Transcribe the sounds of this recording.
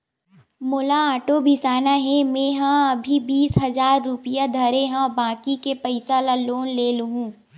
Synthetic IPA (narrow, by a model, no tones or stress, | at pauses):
mʊlaaːʈobʱisaːnaɦɛ̃mẽːɦãɐbʱibiːsɦɐzaːɾːʊpɪjad̪ʱɐɾeɦãɔbãːkikepɐɪsalaloːnleːluɦũː